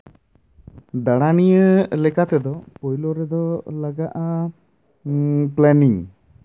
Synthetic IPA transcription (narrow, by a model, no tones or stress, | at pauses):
d̪aɽanijəlɛkat̪ɛd̪ɔpɔjlɔɾɛd̪ɔlaɡaʔa | plɛniŋ